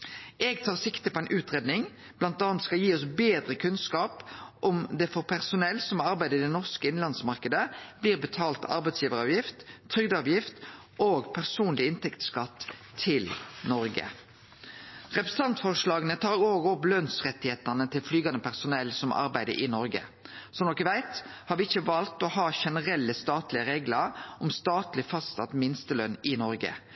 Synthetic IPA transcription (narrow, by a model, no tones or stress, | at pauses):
ʔɛːɡt̪ʰɑːʁsɪkt̪əpʰɔɛɪnʔʉːt̪ʁeːd̪nɪŋ | b̥lɑnt̪ɑːnt̪skɑljiːɔsbeːd̪ʁəkʰʉnskɑːpʔɔmd̪ɛfɔʁpʰæʁsʊnɛlːsɔmɑɾbæɪd̪əɪd̪ɛnɔʁskəɪnlɑnsmɑʁkəd̪əb̥liːʁbət̪ʰɑːlt̪ɑ̰ɾbæɪt̪sjiːʋəʁɑːʋjɪft̪ʰːɾʏɡd̪əɑːʋjɪft̪ | ʔoːɡpʰæʁsuːnlɪɪnt̪ʰɛkt̪skɑt̪ʰː | ɪlnɔɾɡə̰ | ʁɛpɾəs̩t̪ɑnt̪fɔʁʂlɑːɡənət̪ʰɑːɾoːɡɔplœnsʁɛt̪ːɪheːt̪ɑnət̪ʰɪlflyːɡɑnd̪əpʰæʁsʊnɛlsɔmʔɑ̰ɾbæɪd̪ə̰ɾʔɪ̰nɔɾɡə̰ | sɔmnɔkəʋæɪt̪hɑːɾʋɪɪçːəʋɑlt̪ɔhɑːʃɛnəʁɛlːəst̪ɑːt̪lɪəɾeːɡləɾʔɔmst̪ɑːt̪lɪfɑssɑ̰t̪mɪnst̪əlœnːɪnɔɾɡə̰